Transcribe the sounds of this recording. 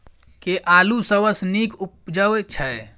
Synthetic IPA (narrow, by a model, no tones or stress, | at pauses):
keʔalusəbəsnikup̚d͡ʒəwet͡ʃʰə